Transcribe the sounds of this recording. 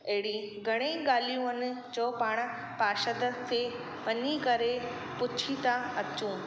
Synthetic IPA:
ɐɦɪɽiɡʱɐɽ̃eɠaːlijũɐnɪ̆ | d͡ʑoːpaːɽ̃ | paːʃət̪əsʰe | ʋɐnikɐɾe | pʊt͡ɕʰit̪aɐt͡ɕũː

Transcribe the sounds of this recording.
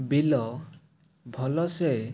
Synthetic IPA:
bilɔ | bʱɔlɔse

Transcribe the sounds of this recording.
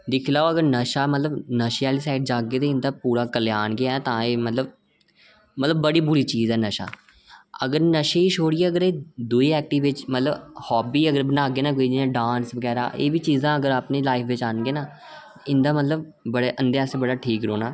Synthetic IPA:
d̪ɪkʰːlaːoəɡəɾnəʃaːmət̪ləbnəʃaːliːsaːɪʈ̚d͡ʒaːɡeːt̪eːɪ̃nd̪aːpuːɾaːkəleaːnɡeɛːt̪ãːeːmət̪ləb̚ | mət̪ləbːəɽiːbʊɾiːt͡ʃiːzɛːnəʃa̰ː | ə̰ɡəɾnəʃeːiːʃʰoːɽɪiːɛːəɡəɾeːd̪uiːɛːk̚ʈiːʋɪt͡ʃmət̪ləbhɔːbiːəɡəɾbənaːɡeːnaːkoːiːd͡ʒiãːɖãːnsbəɡɛːɾa̰ːʔḛːʋiːt͡ʃiːzãːəɡəɾaːpniːlaːɪfʰʋɪt͡ʃaːnɡeːnaː | ɪnd̪aːmət̪ləb̚ | bəɽeːʔənd̪easeːbəɽaːʈʰiːkɾoːnaː

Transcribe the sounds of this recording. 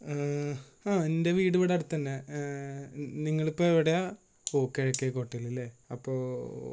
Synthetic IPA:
aːende̞ʋiːɽuʋiɽɐɽut̪ːɐnːe | niŋːɐɭipːoːeʋiɽɐja | oːkːeokːekoʈːilːilːeɐpːoː

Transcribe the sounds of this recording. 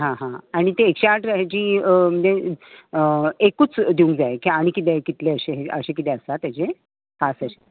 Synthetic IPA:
ɦãɦãaɽ̃it̪eːkɕeaʈɾaɦat͡ɕiːəm̤əɳd͡ʑe | ekuːt͡sd̪iũŋkd͡zaekiaɽ̃ikit̪ɛkit̪leəɕeɦeə̰ɕekit̪ɛəsat̪jat͡ɕe | hãsəɕe̥

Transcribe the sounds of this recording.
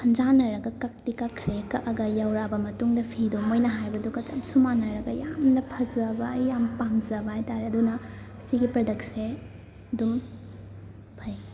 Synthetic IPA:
sʰɐnd͡ʒanɐɾɐɡɐkɐk̚tikakʰɾekɐʔɐɡɐjɐwɾabɐmɐtuŋdɐpʰidumojnɐɦajbɐdukɐt͡ʃɐp̚sumanɐɾɐɡɐjamnɐpʰɐzɐbajjampanzɐbɐajtaɾeɐdunɐ | siɡipɾɐdɐk̚se | ɐdum | pʰɐj

